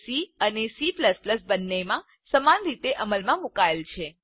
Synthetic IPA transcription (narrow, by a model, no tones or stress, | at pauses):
siənesipləspləsbənːemã | səmanɾit̪eʔəməlmãmukaelt͡ʃʰe